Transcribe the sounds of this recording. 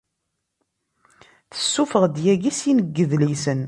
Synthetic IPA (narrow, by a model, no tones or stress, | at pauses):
θə̥sːufəʁd̪jæɡisjinəɡːəðlisən